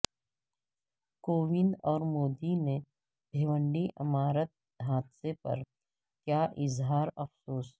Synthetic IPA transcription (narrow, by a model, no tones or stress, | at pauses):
koːʋɪ̃nd̪ɔːɾmoːd̪ine | bʱeːʋə̃ɳɖiʔɐ̰maːɾət̪̚ | ɦaːd̪sepɐ̰ɾ | kjaːʔɪzɦaːɾɐfsoːs